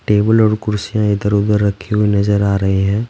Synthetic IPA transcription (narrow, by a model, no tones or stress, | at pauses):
ʈeːbəlɔːɾkʊɾsijãɪd̪əɾoːd̪əɾːɐkʰːeɦʊenɐzəɾaːɾɐɦeɦɛ̃ː